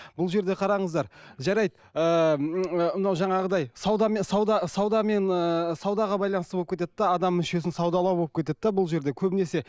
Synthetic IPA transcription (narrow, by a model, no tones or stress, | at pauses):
bʊlˠʒe̞ɾd̪e̞qʰɑɾɑɴəzd̪ɑɾʒɑɾɑjd̪ | ə | əmənɑwʒɑɴɑʁəd̪ɑjsɑwd̪ɑmesɑwd̪ɑsɑwd̪ɑme̞nəsɑwd̪ɑʁɑbɑjlˠɑnəsəbolˠəpkʲʰet̪ed̪̚d̪ɑːd̪ɑmːʏʃe̞sɪnsɑwd̪ɑlˠɑwbolˠəpkʲet̪e̞d̪d̪ɑbʊlˠʒe̞ɾd̪ekʲʰɵbɪne̞se̞